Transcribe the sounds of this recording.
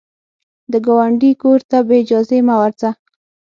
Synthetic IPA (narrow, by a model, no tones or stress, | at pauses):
d̪əɡawaɳɖikoɾt̪abeɪd͡ʒɑzemawaɾza